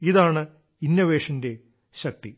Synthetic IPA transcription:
iðaːɳɨ | injɐʋeːʂɐnde | ʃɐk̚t̪i

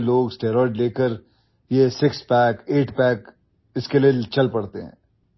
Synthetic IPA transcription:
loːɡsʈeːɾɔːɖleːkəɾ | jesɪkspɛːkeːʈpɛːk | ɪskeliet͡ʃɐlpɐɽt̪eɦɛ̰̃ː

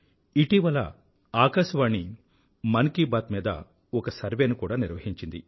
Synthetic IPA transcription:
iʈiʋɐlɐ̰ | aːkɐʃʋaːnːi | mɐnkiːbaːt̪miːd̪ɐ̰ | ɔkɐsɐɾʋenukuːɽaːniɾʋɐɦiɲt͡ʃind̪ḭ

